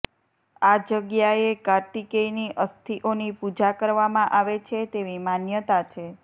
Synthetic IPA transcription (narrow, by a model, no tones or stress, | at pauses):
ad͡ʒəɡjaekaɾʈ̪ikeiniʔəst̪ʰiʔonipud͡ʒakəɾʋamãʔaʋet͡ʃʰet̪eʋimanjət̪at͡ʃʰe